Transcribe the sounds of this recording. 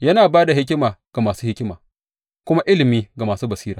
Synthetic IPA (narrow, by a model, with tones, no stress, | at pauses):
jɐ˦naː˨baː˦da˨ɦɪ˦kʲɪ˦maː˨ɡ̥a˨maː˨suː˦hɪ˦kʲɪ˦ma̰ː˨ | kʷʊ˦ma˦ʔɪ˦lɪ˨miː˦ɡa˨maː˨suː˦bɐ˨siː˦ɾaː˨